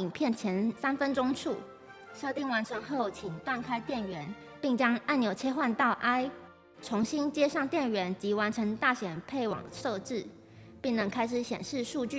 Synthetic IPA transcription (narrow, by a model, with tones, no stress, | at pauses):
i˨˩npʰjɛ˥˩nt͡ɕʰjɛ˧˥nsa˥nfə˥nʈ͡ʂʊ˥ŋʈ͡ʂʰu˥˩ | ɕjo˥˧ʊt̪i˥˩ŋwa˧˥nʈ͡ʂʰɤ˧˥ŋxo˥˩ʊt͡ɕʰi˨˩ŋt̪wa˥˧nkʰa˥ɪt̪jɛ˥˩nɥɛ˧˥n | pi˥˩ŋt͡ɕjɑ˥ŋa˥˩njo˨˩ʊt͡ɕʰjɛ˥xwa˥˧nt̪ɑ˥˩ʊʔa˥ɪ | ʈ͡ʂʰʊ˧˥ŋɕi˥nt͡ɕjɛ˥ʂɑ˥˧ŋt̪jɛ˥˩nɥɛ˧˥nt͡ɕi˧˥wa˧˥nʈ͡ʂʰɤ˧˥ŋt̪a˥˩ɕjɛ˨˩npʰe˥˩ɪwɑ̰˨˩ŋʂo˥˧ʊʈ͡ʂɻ̩˥˩ | pi˥˩ŋnə˧˥ŋkʰa˥ɪʂ̬ɻ̩˨˩ɕjɛ̰˨˩nʂɻ̩˥˧ʂu˥˧t͡ɕy˥˨